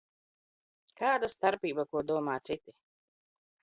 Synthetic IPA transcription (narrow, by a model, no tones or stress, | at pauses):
kaːd̪ast̪aɾpʲiːbakuɔd̪uɔmaːt̪sit̪i